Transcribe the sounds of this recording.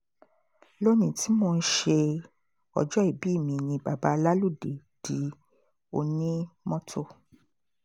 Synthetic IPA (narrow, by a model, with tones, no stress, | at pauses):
lo˦nĩ˨ti˨˦mo˧n̩˦ʃe˧ | ɔ̰˨d͡ʒɔ˦i˨bi˨˦˨mĩ˧nĩ˧ba˨ba˨˦la˦lu˦˨de˨ | d̥i˨˦ | o˧nĩ˦mɔ̃˦tʰo˦˨